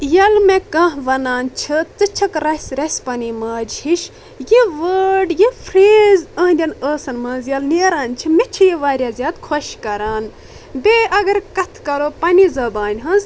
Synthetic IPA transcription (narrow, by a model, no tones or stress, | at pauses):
jɐlmekɐ̃ɦʋɐnaːnt͡ʃʰɨt͡sɨt͡ʃʰɐkɾɐsʲɾʲɐsʲpɐnimaːd͡ʒhiʃ | jiʋəːɖjifʰɾeːzɐ̃ːɦd̪ʲɐnəːsɐnmɐːnzjɐlneːɾaːnʲt͡ʃʰimet͡ʃʰijeʋaːɾʲjaːzʲjaːd̪kʰoʃkɐɾaːn | beɐɡɐɾkɐt̪ʰkɐɾoːpɐnizɐbaːnʲɦɐnz